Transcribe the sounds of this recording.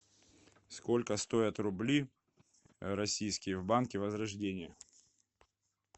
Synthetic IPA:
sko̞lʲkəst̪o̞ət̪rʊblʲij | ɾɐsʲijskʲɪjəvbankʲɪvəzɾɐʐdʲenʲɪjə

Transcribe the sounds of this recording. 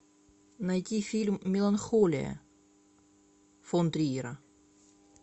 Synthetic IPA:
nɐjtʲifʲilʲmːʲɪlˠɐnxolʲɪ̰jə̰ | font̪ɾʲiiɾə

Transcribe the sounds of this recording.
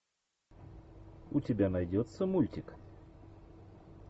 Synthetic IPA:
ʊtʲɪbʲanɐjdʲot̪səmulʲtʲɪk

